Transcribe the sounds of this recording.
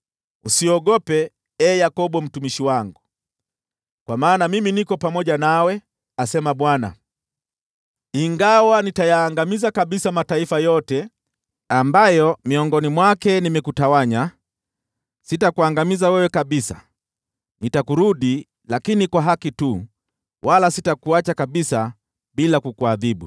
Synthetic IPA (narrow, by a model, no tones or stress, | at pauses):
usiɔɠɔpɛ | ɛjakɔɓɔm̩tumiʃiwaŋɡu | kwamaːnamiminikɔpamɔʄanawɛ | asɛmaɓwana̰ | iŋɡawanitajaːŋɡamizakaɓisamataifajɔtɛ | ambajɔmiɔŋɡɔnimwakɛnimɛkutawaɲa | sitakuaŋɡamizawɛwɛkaɓisa̰ | nitakuɾuɗi | lakinikwaɦakitu | wʔalasitakuat͡ʃakaɓisa | ɓilakukuaðiɓu